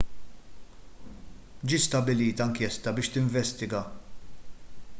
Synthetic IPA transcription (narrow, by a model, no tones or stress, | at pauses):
d͡ʒiːst̪ɐbɪliːt̪ɐŋkjɛst̪ɐbɪːʃt̪ɪɱvɛst̪ɪɡɐ